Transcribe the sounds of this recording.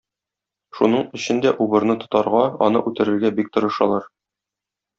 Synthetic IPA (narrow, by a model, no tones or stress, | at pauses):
ʃunɤɴɵ̆ɕɘ̆nd̪æʔubɤ̆ɾnɤt̪ŏ̥t̪ɑɾʁɑɒ̰nɤ̰ʔʉt̪ɘ̆ɾɘ̆ɾɡæbik̚t̪ɤ̆ɾɤ̆ʃɑ̰lˠɑɾ